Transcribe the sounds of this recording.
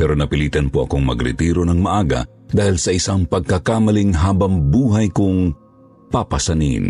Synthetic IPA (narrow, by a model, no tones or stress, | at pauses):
pɛːɾonɐpɪliːt̪ɐnpoʔɐ̰koŋmɐ̰ɡɾɪ̰t̪iːɾonɐŋmɐʔaːɡɐ̰ | d̪aːhilsɐʔɪsaŋpɐɡ̚kakaːmɐliŋɦaːbɐŋbuːɦɐjkʊŋ | papɐsɐnḭn